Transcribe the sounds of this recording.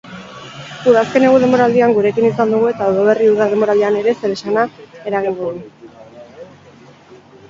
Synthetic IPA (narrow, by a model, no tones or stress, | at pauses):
uðaske̞neɣuð̞e̞mbo̞ɾald̪iaŋɡuɾe̞kinisand̪uɣue̞t̪aowðoβ̞e̞riuðaðe̞mbo̞ɾaleane̞ɾe̞se̞ɾe̞ʃanae̞ɾaɣ̞iŋɡ̪oðu